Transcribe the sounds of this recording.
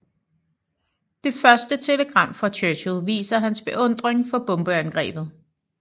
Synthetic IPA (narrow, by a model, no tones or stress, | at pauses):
d̥e̝fɶɐsd̥ət͡sʰe̝ləɡ̥ʁɑ̈m̰fɑ̈t͡ɕʰøɕlˠʋḭːsɐɦænsb̥e̝ʔɔ̽n̰d̥ʁeŋfɒ̽b̥ɔ̽mb̥øænɡ̥ʁɛ̰ːb̥ð̩ˠ